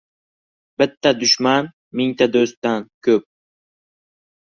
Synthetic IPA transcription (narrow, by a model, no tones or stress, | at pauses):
b̥ɪt̪ʰːad̪ʊʃman | mɪŋt̪ʰad̪ɵst̪t̪ankʲʰɵp̚